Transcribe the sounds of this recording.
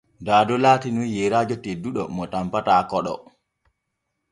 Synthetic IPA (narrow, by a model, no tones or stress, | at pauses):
daːdɔlaːtinujɛɾaːd͡ʒɔteduɗɔmɔtampataːkɔɗɔ̰